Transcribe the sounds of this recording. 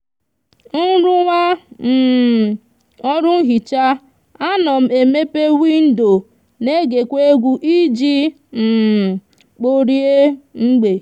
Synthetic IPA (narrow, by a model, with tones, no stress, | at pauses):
n̩˦ɾʊ˦wʷa˦m̩˨ | ɔ˦ɾʊ˦n̩˦ɦi˨t͡ʃa˦ | a˦nɔ˨m̩˦e˨me˦pe˦wi˦n̩˦do˨ | ne˦ɡe˨kʷe˦ɡʷu˦ʔi˦d͡ʒi˦ | m̩˨ | k͡po˦ɾi˦e˦ŋ͡m̩˦ɡ͡be˨